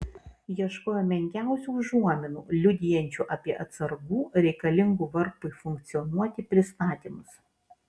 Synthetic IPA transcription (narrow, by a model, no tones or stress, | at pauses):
jiɛʃkoːjoːmʲɛŋʲkʲæˑʊsʲuːˑʒuɔmʲɪnṵːlʲʊd̪ʲɪjɛnʲt͡ʃʲuːʔɐpʲiɛʔɐt̪sɐɾɡuːɾʲɛɪkɐlʲɪŋɡuːʋɐɾpʊɪfʊŋʲk̚t̪sʲɪjɔnuɔt̪ʲɪpʲɾʲɪst̪ɑːt̪ʲiːmʊs